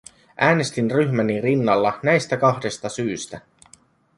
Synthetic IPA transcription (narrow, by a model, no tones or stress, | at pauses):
ʔæːne̞st̪inryçmænirinːɑlːɑnæjst̪ækɑxde̞st̪ɑsyːst̪æ